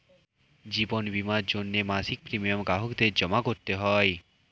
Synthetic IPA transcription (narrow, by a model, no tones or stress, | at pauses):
d͡ʒibɔnbimad͡ʒonːemasik̚pɾimijəmɡaɦɔkd̪eɾd͡ʒəmakɔɾt̪eɦɔj